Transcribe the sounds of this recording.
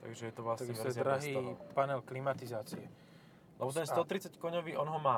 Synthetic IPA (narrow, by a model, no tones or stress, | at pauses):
t̪a̰ɡʒɛjɛt̪ɔʋlasɛɛɾaɦiːpanɛlklimat̪izaːt͡siɛ | lɛbɔt̪ɛnst̪ɔt̪ɾit͡sackɔɲɔʋiːʔɔnɦɔmaː